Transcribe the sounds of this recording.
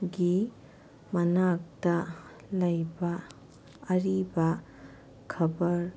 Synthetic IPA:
ɡi | mɐnak̚tɐ | lɐjbaː | ɾibɐ | kʰɐbɐɾ

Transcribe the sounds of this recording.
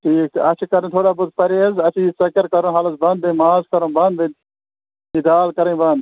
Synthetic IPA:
ʈʰiːkɐt͡ʃʰkɐɾə̃t̪ʰoːɽaːbʊd̪̚pɐɾeːzɐt͡ʃʰisɐkɐɾkɐɾõːɦaːləsbɐ̃nd̪̚bẽmaːzkɐɾõbɐnd̪bẽ | id̪aːlkɐɾẽbɐnd̪

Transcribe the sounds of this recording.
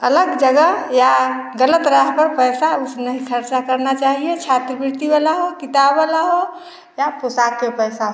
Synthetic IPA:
ələɡd͡ʒəɡəjaɡələt̪ɾaɦpəɾpəjsausnəɦikʰəɾt͡ʃakəɾnat͡ʃaɦijet͡ʃʰat̪ɾibiɾt̪ibalaɦokit̪abːalaɦo | japosakːepəjsaɦ

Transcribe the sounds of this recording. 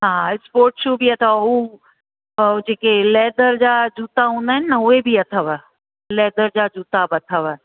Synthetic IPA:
ɦãːɪspoːɾʈʃubʱiɐt̪ʰau | d͡ʑeːkelɛːd̪əɾd͡ʑaːd͡ʑuːt̪aɦũːnd̪aːɦɪnɪnɐʊebʱiɐt̪ʰəʋə | lɛːd̪əɾd͡ʑad͡ʑuːt̪abɐt̪ʰəʋə

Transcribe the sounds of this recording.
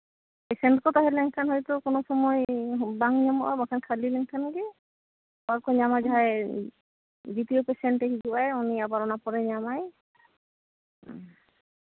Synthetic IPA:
pɛsɛɳʈkɔt̪aɦɛlɛŋkʰanɦɔjt̪ʊkɔnɔsɔmɔjbaŋɲɔmɔʔabakʰankʰalilɛŋkʰanɦaɡɛ | baɹkɔɲamad͡ʒaɦaj | dit̪ijopesɛɳʈeɦid͡ʒuajuniabaɾɔnapɔɾɛɲamaj

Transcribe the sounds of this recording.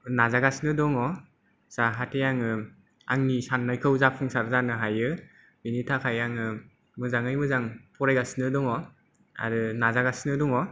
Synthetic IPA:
nazaɡasnɯdɔŋɔ | z̥aɦatʰejaŋɯ | a̰ŋnisanːajkʰɯwzapʰɯŋsaɾzanɯɦajɯ | binitʰakʰajaŋɯ | mɯzaŋɯjmɯzaŋpʰɔɾajɡasnɯdɔŋɔ | a̰ɾɯnazaɡasnɯdɔŋɔ

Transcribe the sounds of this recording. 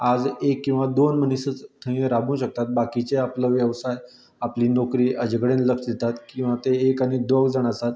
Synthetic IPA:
ad͡zekːĩw̃ʋad̪onmənisət͡st̪ʰə̃eɾabũɕək̚t̪at̪̚bakit͡ɕeapləʋjəʋsaj | apliːnɔkɾiːʔəd͡ʑikəɽẽnləfsd̪et̪at̪kĩw̃ʋat̪eːkañid̪ʋəɡd͡zaɽ̃asat̪

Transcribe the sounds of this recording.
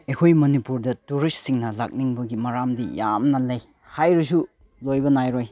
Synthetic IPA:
ekʰojmɐnipuɾdɐtuɾist̚siŋnɐla̰k̚niŋbɐɡimɐɾamdija̰mnɐlɐj | hajɾis̬u | lojbɐnajɾoj

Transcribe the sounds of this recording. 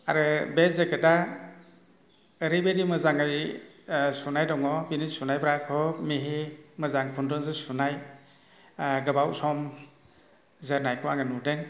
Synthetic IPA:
a̰ɾɯbezekeda | ɾibedimɯzaŋɯj | sunajdɔŋɔbinisunajbɾakʰɔmiɦemɯzaŋpʰundɔnzɯsunaj | ɡɯbawsɔm | zɯnajkʰɔaŋɯnudeŋ

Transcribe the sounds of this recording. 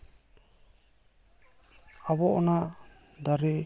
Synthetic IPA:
abɔʔɔna | d̪aɾɛ

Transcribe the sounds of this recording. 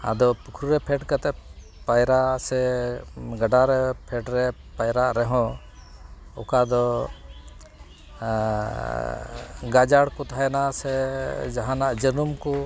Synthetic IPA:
a̰d̪ɔpukʰɾuɾɛpʰɛʈkat̪ɛ | pajɾasɛ | ɡaɖaɾɛpʰɛʈɾɛ | pajɾaʔɾɛɦɔ̃ | ɔkad̪ɔ | ɡad͡ʒaɽkɔt̪aɦaɛnasɛd͡ʒaɦãnaʔd͡ʒənumkɔ

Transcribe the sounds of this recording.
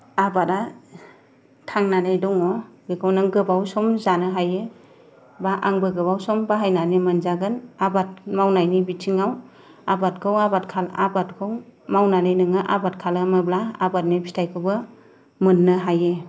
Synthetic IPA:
abata | tʰaŋnanajdɔŋɔbekʰɯwnɯŋɡɯbawsɔmzanɯɦajɯ | baʔaŋbɯɡɯbawsɔmbaɦajnanimɯnzaɡɯnabat̚mawnajnibitʰiŋaw | abat̚kʰɯwabatkʰala̰bat̚kʰɯwmawnanajnɯŋɯʔabat̚kʰalɯmɯblaabat̚nipʰitʰajkʰɯbɯ | mɯnːɯɦajɯ

